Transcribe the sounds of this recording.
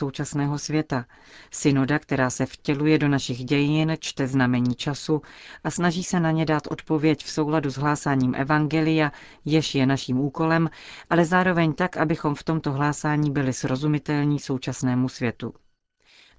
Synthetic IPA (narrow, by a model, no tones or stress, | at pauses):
o̞wt͡ʃasnɛːɦo̞svjɛt̪a | sɪno̞dakt̪ɛɾaːsɛfcɛlujɛdo̞naʃɪɣɟɛjɪnt͡ʃt̪ɛznamɛɲiːt͡ʃasuʔasnaʒiːsɛnaɲɛdaːt̪ʔo̞̰t̪po̞vjɛcfso̞wladuzɦlaːsaːɲiːmʔɛ̰vaŋɡɛlɪja | jɛʃjɛnaʃiːmuːko̞lɛmʔalɛzaːɾo̞vɛɲt̪akʔabɪxo̞mft̪o̞mt̪o̞ɦlaːsaːɲiːbɪlɪsɾo̞zumɪt̪ɛlɲiːso̞wt͡ʃasnɛːmusvjɛt̪u